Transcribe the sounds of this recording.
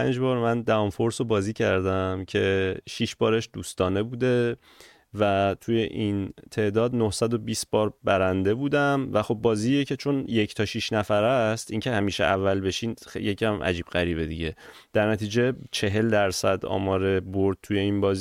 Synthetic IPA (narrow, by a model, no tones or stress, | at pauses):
pæ̰nd͡ʒbɒːɾmænd̪æɒmfo̞ɾsobɒːziːcʰæɾd̪æmcʰe̞ʃiʃbɒːɾe̞ʃd̪̥uːst̪ɒːne̞buːd̪e̞ | væt̪ʰuje̞ʔint̪ʰe̞ːʔd̪ɒːd̪nohsæd̪o̞biːsb̥ɒːɾbæɾænd̪e̞buːd̪æmvæxo̞bːɒːziːjecʰe̞t͡ʃʰo̞njecʰt̪ʰɒːʃiʃnæfæɾæst̪iŋcʰe̞hæmiːʃḛʔævːælbe̞ʃinjecʰæmʔæ̰d͡ʒiːb̥ɣæɾiːbed̪ḭɟe̞ | d̪̥æɾnæt̪ʰiːd͡ʒe̞t͡ʃʰe̞ɦe̞ld̪æɾsæd̪ɒ̰ːmɒːɾeboɾd̪̚t̪ʰuje̞inbɒːzi